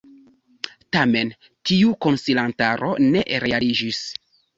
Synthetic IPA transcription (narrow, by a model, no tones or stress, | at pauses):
tame̞n | tiuko̞nsilantaɾʔo̞̰ne̞ʔɾe̞alid͡ʒis